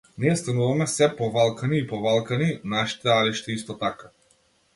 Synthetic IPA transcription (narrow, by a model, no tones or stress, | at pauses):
niɛst̪anuvamɛsɛpɔvalˠkaniːpɔvalˠkaninaʃi̥t̪ɛaliʃt̪ɛist̪ɔt̪aka